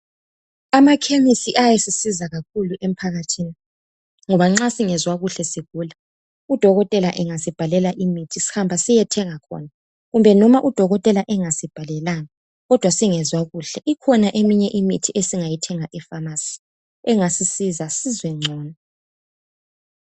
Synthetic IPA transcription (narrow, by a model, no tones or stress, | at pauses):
amakʰemisiʔajesisizaɣak̚ʰuluʔem̩pʰaɣatʰiːni | ŋɔβaŋ͡ǁasiŋɛzwaɣuɬɛsiɣuːla | ud̥ʱɔɣɔtʼɛlaʔɛŋasib̥ʱalɛlaʔimitʰisi̥hambʱasijɛtʰɛŋakʰɔ̰na | ɣumbʱɛnɔmaʔud̥ʱɔɣɔtʼɛlaʔɛŋasib̥ʱalɛlaŋa | ɣɔd̥ʱwasiŋɛzwaɣuɬɛʔikʰɔnaʔemiɲɛʔimitʰiesiŋajitʰɛŋaʔɛfamasi̥ | ɛŋasisizasizwɛŋ͡ǀʱɔːna